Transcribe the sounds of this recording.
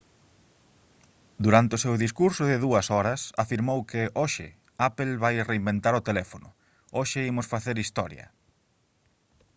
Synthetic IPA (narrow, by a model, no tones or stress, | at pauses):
d̪uɾant̪ɪosewðiskuɾsʊðɪðuɐsɔɾɐsa̰fiɾmowkɪʔoʃɪ̰ | apelβajreimbent̪aɾʊt̪elɛfonʊ̰ | oʃɪimʊsfaθeɾist̪ɔɾjɐ̰